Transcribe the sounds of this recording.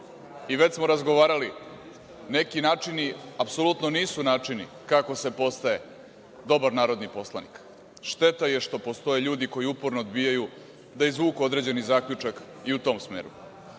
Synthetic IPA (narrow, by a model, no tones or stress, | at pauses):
iʋe̞t͡ɕsmo̞ɾazɡo̞ʋaːɾali | ne̞kinaːt͡ʂiniapso̞lut̪noniːsunaːt͡ʂini | kako̞se̞po̞st̪aje̞ | d̪o̞baɾnaːɾo̞d̪nipo̞slˠa̰nḭk | ʃt̪e̞t̪aje̞ʃt̪o̞po̞st̪o̞jeʎuːd̪iko̞jiupoɾnoːd̪bijaju | d̪aizʋuːkuo̞d̪ɾe̞d͡ʑe̞nizaːkʎut͡ʂak | iut̪o̞ːmsmeːɾṵ